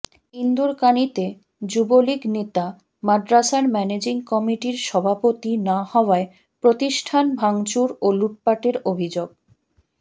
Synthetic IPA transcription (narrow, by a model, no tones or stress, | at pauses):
ind̪uɾkanit̪e | d͡ʑuboliknet̪a | madɾaʃaɾmɛned͡ʑiŋkɔmiʈiɾʃɔbʱapot̪inahɔoae | pɾot̪iʃʈʰanbʱaŋt͡ɕuɾoluʈ̚paʈeɾobʱid͡ʑoɡ̚